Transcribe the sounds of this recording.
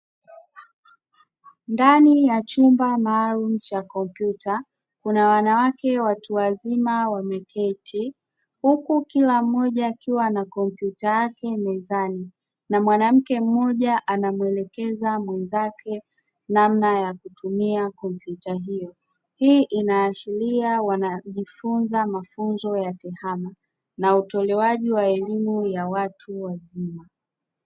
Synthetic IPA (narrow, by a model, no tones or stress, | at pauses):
ndanijat͡ʃumbamaːlum̩t͡ʃakɔmpjuta | kunawanawakɛwatuazimawamɛkʰɛtʰi | hukukilam̩ːɔʄaːkiwanakɔmpjutajakɛmɛzani | namwanam̩kɛm̩mːɔʄaʔanamwɛlɛkɛzamwɛnzakʰɛ | namnajakutumiakɔmpjutaɦijɔ | hiːʔinaːʃiliawanaʄifunzamafunzɔjatɛhama | nautɔlɛwaʄiwaɛlimujawatʰuwazima